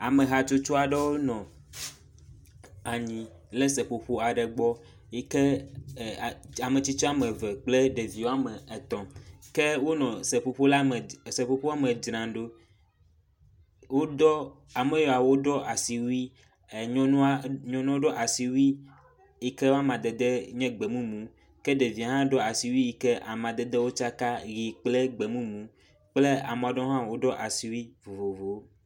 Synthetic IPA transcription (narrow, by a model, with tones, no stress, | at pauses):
a˨me˨ɦa˨t͡ʃo˦t͡ʃɔ˦a˨ɖe˦wo˦nɔ̃˨ | a˨ɲĩ˨ | le˦sɛ˨ɸo˨ɸo˦a˨ɖɛ˨ɡ͡bɔ˦ | e˦ke˦˨ | a˨mẽ˨t͡ɕi˦t͡ʃɔ˦a˦mẽ˨vɛ˨k͡ple˦ɖe˨vi˨wo˦a˦me˨e˨t̪ɔ̃˨mke˦wo˦nɔ̃˨se˨ɸo˨ɸo˦la˦m˨sɛ˨ɸo˦ɸo˦a˦me˨d͡ʒɾã˨ɖo˦ | wo˦dɔ˦ | a˨me˦jɔ˨a˨wo˦ɖɔ˦ʔa˨si˨wi˦˨ | ɲɔ̃˦nũ˦ɲɔ̃˦nɔ̃˦wo˦ɖɔ˦ʔa˨si˨wi˦ | i˦kɛ˦wo˦a˦mã˨d̪ɛ˨d̪ɛ˦ɲɛ̃˦ɡ͡bɛ˨mũ˦mũ˨ | kɛ˦ɖe˨vi˨a˨ɦã˦ɖɔ˦a˨si˨wi˦i˦kɛ˦ʔa̰˨mã˨d̪ɛ˨d̪ɛ˦wo˦t͡ʃa˦ka˦ɣi˨k͡plɛ˦ɡ͡bɛ˨mũ˦mũ˨ | k͡ple˦a˨m˨a˨ɖɔ̃˦ɦã˦wo˦ɖɔ˦ʔa˨si˨wi˦vo˨vo˨vo˨˦